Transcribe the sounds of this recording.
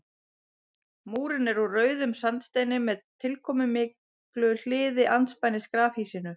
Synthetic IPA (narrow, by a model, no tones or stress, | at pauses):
muːɾɪnɛɾurœːɥðʏmsant̪st̪eːjnɪmɛðt̪ʰɪlkʰɔːmʏmɪː | klʏl̥ɪːðɪʔant̪spajnɪskɾaːfhisɪnʏ